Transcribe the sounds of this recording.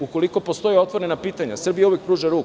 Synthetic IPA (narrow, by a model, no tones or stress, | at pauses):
uko̞liko̞po̞st̪o̞jio̞t̪ʋo̞ɾe̞napiːt̪aɲa̰sr̩bijauʋjek̚pɾuːʒaɾuːk